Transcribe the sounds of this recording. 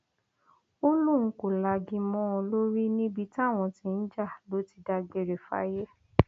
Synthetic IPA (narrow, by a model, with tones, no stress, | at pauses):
o˦lũ˦˨ŋ̩˧ko˨la˧ɡĩ˧mɔ̃˦˧lo˦ɾi˦nĩ˦bi˧ta˦˨w̃ɔ̃˧tĩ˧n̩˦d͡ʒa˦˨lo˦ti˧da˧ɡ͡be˨ɾe˨fa̰˦je˦